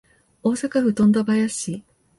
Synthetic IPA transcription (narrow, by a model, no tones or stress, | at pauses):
o̞ːsakaɸɯ̟t̪õ̞nd̪abajaɕi